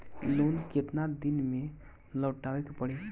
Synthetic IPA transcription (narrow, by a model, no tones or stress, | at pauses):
lonket̪nad̪inmẽ | ləːʈaːʋekepəɽe